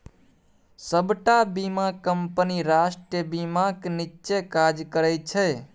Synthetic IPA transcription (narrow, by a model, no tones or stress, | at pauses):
səbʈabimakəmpəniɾasʈjəbimaknit͡ʃekad͡ʒkəɾɛt͡ʃʰɛ